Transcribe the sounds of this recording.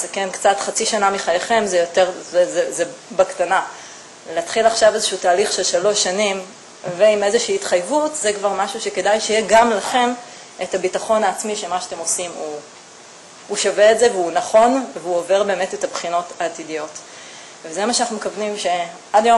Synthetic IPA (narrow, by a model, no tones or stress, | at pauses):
sakenkt͡satχat͡siʃanamiχajeχe̞mzejote̞ʁzezezebaktana | leatχilaχʃavezeʃuːtaːliχʃe̞lʃalo̞ʃːanim | veime̞zeʃiːtχajvutzekvaʁmaʃuʃeke̞dajʃejeɡamlaχe̞m | ʔetabitaχo̞naːt͡smiʃemaʃate̞mo̞simu | uʃaveetzeveunaχo̞nveuove̞ʁbe̞ːmetetabχino̞taːtidijo̞t | vezemaʃeanaχnumekavnimʃe̞ | adajo